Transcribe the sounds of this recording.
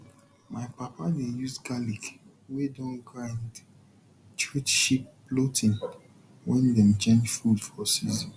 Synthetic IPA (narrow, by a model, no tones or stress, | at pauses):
maɪpapadejusɡalik | wedɔ̃nɡɹãnd | tɹitʃipː | lotʰĩn | wɛ̃ndɛ̃mt͡ʃẽnd͡ʒfudfɔsis